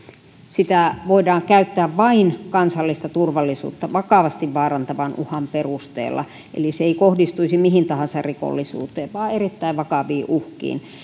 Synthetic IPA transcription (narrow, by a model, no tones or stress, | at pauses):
sit̪æʋoidɑːŋkæyt̪ːæːʋʋɑinkɑnsɑlːist̪ɑt̪urʋɑlːisṵːt̪ːɑʋɑkɑʋɑst̪iʋʋɑːrɑnt̪ɑʋɑnʔuhɑmperust̪ḛːlːɑ̰ | ʔḛliseeikohdist̪uisimihint̪ɑhɑnsɑrriko̰lːisṵːt̪eːʋʋɑːerit̪ːæiʋʋɑkɑʋiːʔuhkḭːn